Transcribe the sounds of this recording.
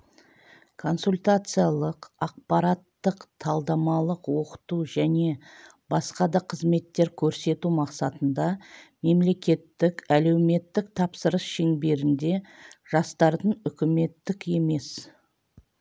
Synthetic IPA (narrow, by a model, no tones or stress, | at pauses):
kʰo̞nsulʲt̪at̪sɨjalˠəqɑq̚pɑɾat̪ːəqt̪ʰɑlˠd̪ɑmɑlˠəqwo̞qə̥t̪uʒæne̞ | bɑsqɑd̪ɑqʰəzme̞t̪ːe̞ɾkʲʰɵɾse̞t̪umɑqsɑt̪ənd̪ɑme̞mle̞kʲe̞t̪ːɪkæle̞wme̞t̪ːɪk̚t̪ʰɑpsəɾəsʃeŋbe̞ɾɪnd̪e̞ʒ̥ɑst̪ɑɾd̪əɴʏkʲɪme̞t̪ːɪke̞me̞s